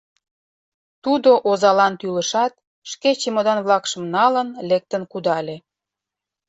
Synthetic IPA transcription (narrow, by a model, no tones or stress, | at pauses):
t̪ud̪oʔozɑlɑnt̪yləʃɑt̪̚ | ʃket͡ɕemod̪ɑnβlɑkʃə̆mnɑlənlek̚t̪ənkud̪ɑlʲe